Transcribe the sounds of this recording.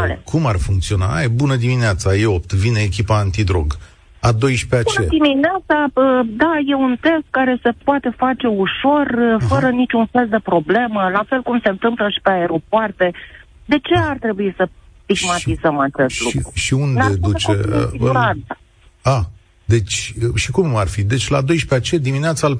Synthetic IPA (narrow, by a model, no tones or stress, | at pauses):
alḛkʰumarfuŋkt̪sio̞naajbunəd̪imineat̪sajeop̚t̪vineːkʲipaːnt̪id̪ɾo̞̰ɡ | ad̪o̞jʃpeat͡ʃed̪imineat̪saəd̪aje̞unt̪e̞st̪̚kaɾe̞se̞poat̪e̞fat͡ʃe̞uʃo̞rfəɾənit͡ʃʲunfe̞ld̪e̞pɾo̞ble̞məlafe̞lkumse̞nt̪ɨmpləʃi̥peae̞ɾo̞poart̪e̞ | d̪e̞t͡ʃe̞art̪ɾe̞buisəst̪iɡmaʃizəmat͡ʃe̞st̪luikɾuʃiund̪ed̪ut͡ʃoḛia | a | d̪e̞t͡ʃʲʃikumarfid̪e̞t͡ʃʲlad̪o̞jʃpeat͡ʃe̞d̪imineat̪sa